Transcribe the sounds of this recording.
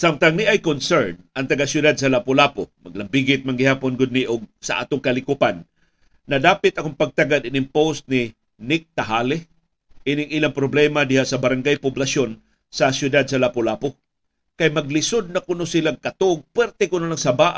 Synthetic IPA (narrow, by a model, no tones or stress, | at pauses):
samt̪aŋnɪʔajkonsɛɹnɐŋt̪ɐɡasjʊd̪ad̪̚sɐlapolapomɐɡlɐmbiɡɪt̪̚manŋɡɪhaːponɡʊd̪̚niʔoɡ̚sɐ̰ʔa̰ːt̪ʊŋkɐlɪkʊpanː | ɐd̪aːpɪt̪ɐkoŋpɐɡ̚t̪aɡad̪ɪnɪŋpost̪̚nɪ | nɪk̚t̪aɦaːlɛ | ʔinɪŋʔilaŋpɾoblɛmad̪ɪhaʔsɐbɐɾaŋɡajpʊblasjon | sɐsjʊd̪ad̪̚sɐlapolapo | kajmɐɡlɪsod̪̚nɐkʊnosɪlaŋkɐt̪oɡ̚pwɛɾt̪ɛkʊnolaŋsɐbaːʔ